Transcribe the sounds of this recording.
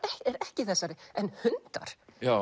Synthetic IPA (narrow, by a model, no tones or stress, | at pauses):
ɛɛɾɛhcɪθɛsːaɾɪɛnhʏnt̪a̰ɾ̥ja